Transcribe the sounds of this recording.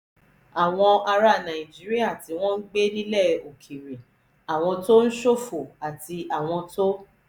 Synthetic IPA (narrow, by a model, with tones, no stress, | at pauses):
a˨w̃ɔ̃˧a˧ɾa˦˨nã˨i˨d͡ʒi˦ɾi˦a˦˨ti˧w̃ɔ̃˦n̩˦ɡ͡be˦nĩ˦lɛ˦˨o˨kʰi˨ɾĩ˨ | a˨w̃ɔ̃˧to˦n̩˦ʃo˦˨fo˨a˨ti˧a˨w̃ɔ̃˧to˦